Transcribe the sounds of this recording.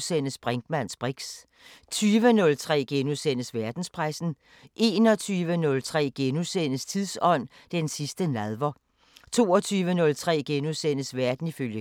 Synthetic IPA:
sen̰əsb̥ʁeŋɡ̥mæn̰sb̥ʁiɡ̥s | t͡sʰyːʋənɔ̽lt͡sʰʁɛ̰ːɡ̥enusenəsʋæɐd̥n̩spʰʁäsn̩ | ʔe̝ːnɒ̽t͡sʰyːʋənɔ̽lt͡sʰʁɛ̰ːɡ̥enusenəst͡sʰiðˠsɒ̽n̰ | d̥ensisd̥ənæðˠʋɒ | t͡sʰo̝̰ːɒt͡sʰyːʋənɔ̽lt͡sʰʁɛ̰ːɡ̥enusen̰əsʋæɐd̥n̩iføljə

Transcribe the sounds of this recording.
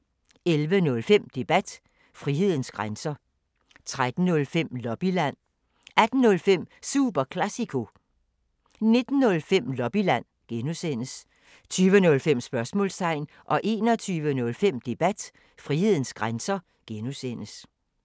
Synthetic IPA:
elʋənɔ̽lfem̰d̥e̝b̥æd̥ | fʁihe̝ð̞̰ˠn̩sɡ̥ʁansɐ | t͡sʰʁad̥n̩ːɔ̽lfem̰lɒ̽b̥ilæn̰ | æd̥n̩ːɔ̽lfem̰suːb̥ɐkʰlæsikʰo̝ | ne̝d̥n̩ːɔ̽lfem̰lɒ̽b̥ilæn̰ | ɡ̥enusen̰əs | t͡sʰyːʋənɔ̽lfem̰sb̥ɶɐsmɔ̰lst͡sʰɑ̈ɪn | ʔɒ̽ʔe̝ːnɒ̽t͡sʰyːʋənɔ̽lfem̰d̥e̝b̥æd̥ | fʁihe̝ð̞̰ˠn̩sɡ̥ʁansɐ | ɡ̥enusen̰əs

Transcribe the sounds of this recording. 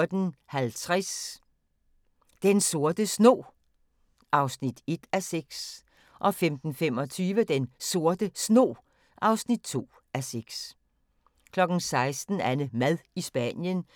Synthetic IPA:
d̥n̩hælt͡sʰʁas | d̥enso̝ɐd̥əsno̝̰ː | ʔɑ̈ʊsnid̥e̝d̥æseɡ̥s | ʔɒ̽femd̥n̩fem̰ɒ̽t͡sʰyːʋəd̥enso̝ɐd̥əsno̝̰ː | ʔɑ̈ʊsnid̥̚t͡sʰo̝̰ː | ʔæseɡ̥s | kʰlɒ̽ɡ̥n̩sɑ̈ɪsd̥n̩ænəmæðˠisb̥æ̰njən

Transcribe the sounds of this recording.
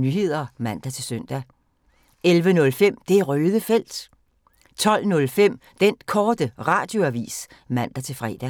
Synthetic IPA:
nyɦe̝ð̞̰ˠɐmæn̰d̥æt͡sʰe̝lsœn̰d̥æ | elʋənɔ̽lfem̰d̥e̝æʁøːðˠəfel̰d̥ | t͡sʰɒ̽l̰nɔ̽lfem̰ | d̥enkʰɒːd̥əʁɑ̰̈ːd̥jo̝æʋḭːs | mæn̰d̥æt͡sʰe̝lfʁɛ̰ːd̥æ

